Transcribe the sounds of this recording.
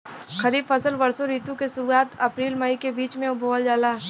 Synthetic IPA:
xɐɾiːbfɐsəlʋɐɾsoɾiːt̪ũkesʊɾuaːt̪ɐpɾiːlmɐikebiːt͡ʃmẽʊbʱoəld͡ʒaːlaː

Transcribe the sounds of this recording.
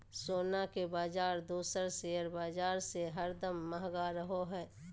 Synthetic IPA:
soːnakebaːd͡ʒaːɾd̪uːsəɾsejəɾbaːd͡ʒaːɾseɦəɾd̪əmːəɦɡaɾəɦoɦɛː

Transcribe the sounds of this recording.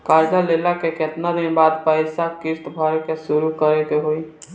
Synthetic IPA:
kaːɾd͡ʒalelakeket̪nad̪inbaːd̪pəɪsakɪɾt̪bʱəɾekesuɾukəɾekeɦoi

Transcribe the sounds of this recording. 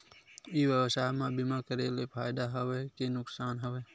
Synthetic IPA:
iːwəwsaːjmãbɪmakəɾelepʰaːjd̪aɦəweːkenʊksaːnɦəweː

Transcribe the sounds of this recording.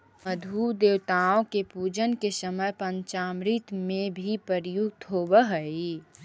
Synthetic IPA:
məd̪ʱud̪eːwt̪aõkepuːd͡ʒənkesəməjpə̃ɲt͡ʃaːmɾit̪mẽbʱipəɾjuɡ̚t̪ɦoːbəɦəi

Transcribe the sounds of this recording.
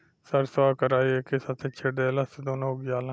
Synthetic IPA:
səɾsʋaːkəɾaːieːkɪsət̪ʰet͡ʃʰeɽeːləsd̪oːnõʊɡɪjaːlã

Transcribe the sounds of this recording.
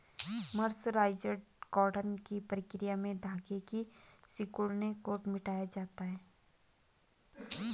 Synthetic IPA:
məɾsɾaːɪd͡ʒəɖɡɔːɾɖənkipɾɪkɾɪjamẽd̪ʱaːɡekisɪkuɭnekoːʈmɪʈaːjad͡ʒaːt̪aɦɛː

